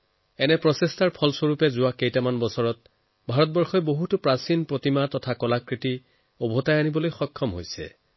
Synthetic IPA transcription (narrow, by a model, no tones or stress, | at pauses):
ɛnɛpɹɔsestaɹpʰɔlsoɹupɛzʊwakejtamanbɔsɔɹɔt̚ | bʱaɹɔt̚bɔɹxɔjboɦutʊpɹasinpɹotimatɔtʰakɔlakɹiti | obʱɔtajanibɔlojxɔkʰːɔmɦo̰jsɛ̰